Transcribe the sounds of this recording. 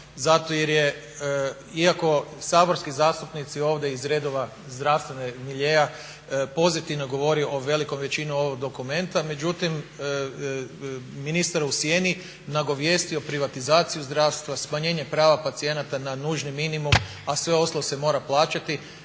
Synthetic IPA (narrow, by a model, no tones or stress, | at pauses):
zat̪ojeɾje | iako̞saːbo̞ɾskizaːst̪upnit̪sio̞ːʋd̪jeizɾe̞d̪oʋa | zd̪ɾaʋst̪ʋe̞nemiʎeja | po̞zit̪iʋnoɡo̞ʋo̞ɾioʔoʋe̞liko̞mʋe̞t͡ɕinuo̞ʋoɡ̚d̪o̞kume̞nt̪ame̞d͡ʒut̪im | minist̪aɾusjeni | naɡo̞ʋje̞st̪io̞pɾiʋat̪izaːt̪sijuzd̪ɾaːʋst̪ʋasmaɲe̞ːɲe̞pɾaːʋapat̪sije̞nat̪ananuːʒniminimum | asʋe̞o̞slose̞mo̞ːɾaplˠaːt͡ʃat̪i